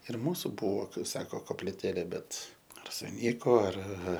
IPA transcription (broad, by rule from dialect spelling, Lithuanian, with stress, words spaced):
ɪr ˈmuːsʊ ˈbʊʋoː ˈkɐɪp sɐkoː koːpʲlʲɪˈtʲeːlʲeː ˈbʲɛt ɐr sʊˈnʲiːkoː ɐr